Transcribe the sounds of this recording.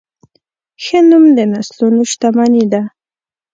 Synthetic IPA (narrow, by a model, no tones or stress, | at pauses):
xenʊmd̪enaslʊnʊʃt̪amanid̪a